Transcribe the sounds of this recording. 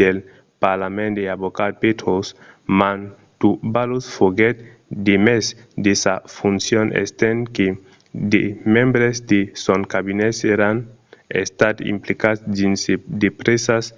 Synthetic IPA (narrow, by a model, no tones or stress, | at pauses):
el | paɾlamẽnd̪eaβokat̪̚pet̪ɾos | man | t̪ubalosfoɡet̪ | d̪emesd̪esafunsjonʔḛst̪enke | d̪emẽmbɾezd̪esonkaβineseɾanḛst̪at̪ḭmplikat̪sdinsd̪epɾesas